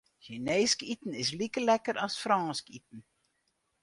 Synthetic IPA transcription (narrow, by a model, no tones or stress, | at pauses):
çineːskitən̩ɪs̬likəlɛkəɾʔɑsfrɑnskitn̩